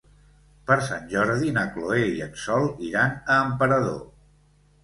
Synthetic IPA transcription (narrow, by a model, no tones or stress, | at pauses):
pəɾsanʲʒɔɾðinəkloeiənsɔlˠiɾanəːmpəɾəðo̰